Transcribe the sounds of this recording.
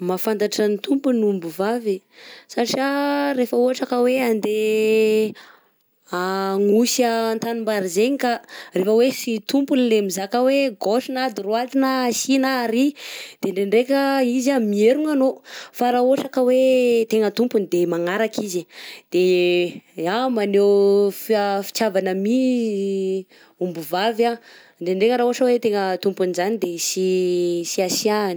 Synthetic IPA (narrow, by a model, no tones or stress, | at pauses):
mafand̪aʈ͡ʂanit̪umpunumbuvave | saʈ͡ʂaɾefəuɦaʈ͡ʂakəweand̪e | aŋusant̪animbaɾizeɲikarefəwesit̪umpunilemizakəweɡoʃinad̪irwat̪inasinaːɾid̪̥eɳɖ͡ʐeɳɖ͡ʐekʲəizamieɾuŋanofaɾaoʈ͡ʂakəwet̪eŋət̪umpunid̪emaŋaɾakizid̪̥e | amanewfiafi̥t͡ʃavanəmi | umbuvava | ɳɖ͡ʐeɳɖ͡ʐeŋəɾaoʈ͡ʂəwet̪eŋət̪umpunizanid̪esisiasiani̥